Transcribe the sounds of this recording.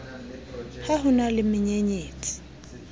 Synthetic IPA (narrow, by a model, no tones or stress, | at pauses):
haɦʊnalɪmɪɲeɲeːt͡sʼi̥